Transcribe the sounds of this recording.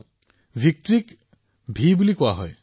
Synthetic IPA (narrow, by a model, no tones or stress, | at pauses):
bʱik̚tɹik | bʱibulikʊaɦɔj